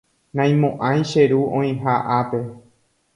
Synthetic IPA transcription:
nãj̃mõʔãj̃ʃeɾuõj̃ɦaʔape̞

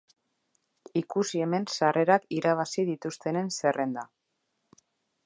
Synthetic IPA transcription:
ikusie̞me̞nsare̞ɾakiɾaβ̞asiðit̪ust̪e̞ne̞nse̞re̞nd̪a

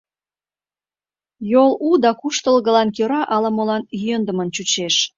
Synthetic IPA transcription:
jolud̪ɑkuʃt̪ə̆lɣə̆lɑnkøɾɑʔɑlɑmolɑnənd̪əmənt͡ɕut͡ɕeʃ

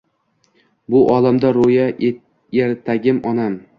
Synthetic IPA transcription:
bʊʔɒlamd̪aɾoja | eɾt̪ʰaɡʲɪmɒnam

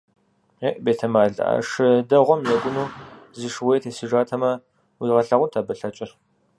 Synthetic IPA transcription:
eʔbeːtʰɐmaːɮʔa̰ʂɨdɐʁʷɔmnɐɡʷʊnuːzɨʂwejtʰeːsɨʒaːtʰɐmɐ | wiːʁɐɬɐʁʷʊntʰaːbɐɬɐt͡ʃʼɪr

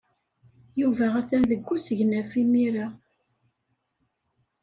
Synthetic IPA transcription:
juvææθænðəɡːusəʝnæfimiɾa

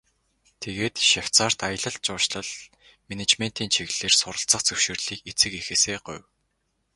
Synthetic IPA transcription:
t̪ʰeɣeːt̪ʃaw̥t͡saːr̥t̪ajə̆ɮə̆ɮ̚t͡ɕʊːʃɮə̆ɮ | menet͡ɕmen̥t̪iːnt͡ɕʰiɣɮeːrsʊɾə̆ɬt͡sə̆χt͡sɵwʃɵːrɮiːket͡sɘ̆kexeːseːɢʊ̰w

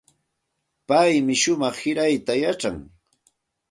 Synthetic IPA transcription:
pajmɪʃʊmɑχhɪɾajt̪ajaʈ͡ʂaŋ

